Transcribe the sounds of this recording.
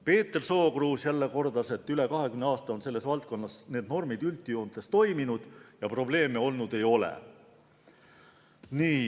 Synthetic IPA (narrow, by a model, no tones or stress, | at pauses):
pe̞ːt̪ːerso̞ːkruːsjælːe̞ko̞rd̪̥ɑse̞t̪ːˑyle̞kɑɦe̞kymneɑːst̪ɑo̞nse̞lːe̞svɑlt̪̚ko̞nːɑsne̞ːd̪no̞rmid̪̥ylt̪ːˑijund̪̥est̪o̞jminud̪̥jɑpro̞ble̞ːmeo̞lnud̪e̞jo̞lḛ | niː